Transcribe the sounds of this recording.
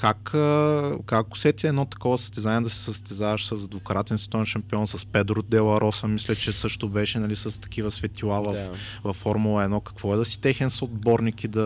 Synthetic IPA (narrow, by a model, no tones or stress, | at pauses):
kakəkakʊ̥sɛt̪iɛd̪nɔt̪ɐ̥kɔvɐsə̥st̪ɛzanʲiɛd̪ɐsɛ̥səst̪ɛzavɐʃsəsɐd̪vokɾat̪ɛnsvɛ̥t̪ɔɛnʃɐmpiɔnsɐspɛd̪ɾʊd̪ɛlˠɐɾʔɔsəmislʲɛt͡ʃɛsɤʃt̪ʊbɛʃɛnɐlisəst̪ɐ̥kivəsvɛt̪ilˠavɐff | vɐfːɔɾmulˠəɛd̪nɔkɐ̥kvɔɛd̪ɐsi̥t̪ɛxɛnsod̪̚bɔɾnikid̪ɐ